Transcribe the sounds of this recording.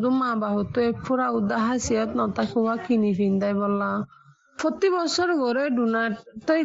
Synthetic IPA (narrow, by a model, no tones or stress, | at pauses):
d̪umabaɦɔt̪ɔepʰuɾaud̪aɦasiɔt̪nɔt̪akʰuwakinipʰind̪ajbɔla | pʰɔt̪ibɔsɔɾɡɔɾeɖunaʈɔj